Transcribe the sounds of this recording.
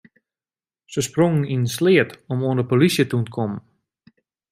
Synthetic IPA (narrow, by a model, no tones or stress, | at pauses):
səsproŋəninənslɪətɔmoəndəpolisjətuntəkʰɔmən